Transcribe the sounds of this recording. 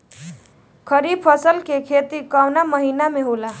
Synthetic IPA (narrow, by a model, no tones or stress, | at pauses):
kʰəɾib̚pʰəsəlkekʰet̪ikawnaməɦinameɦola